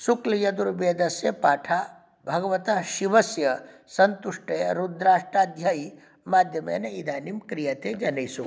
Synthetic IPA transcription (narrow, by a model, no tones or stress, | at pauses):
sukljɐd̪uɾbeːd̪ɐsjɐpaːʈʰaː | bʱɐɡɐʋɐt̪aʃiʋɐsjɐ | sɐnt̪uʂʈʰɐjɐɾud̪ɾaːʂʈaːd̪ʱjaːji | maːd̪ʱjɐmḛːnɐid̪ʱaːnimkɾijɐt̪eːd͡ʒɐnɐjsu